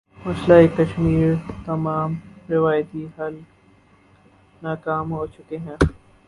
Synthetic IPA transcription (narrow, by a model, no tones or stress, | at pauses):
mɐslaekɐʃmiːɾt̪ɐmaːmɾɪʋaːjt̪iɦɐl | naːkaːmɦot͡ʃʊkeɦɛ̃ː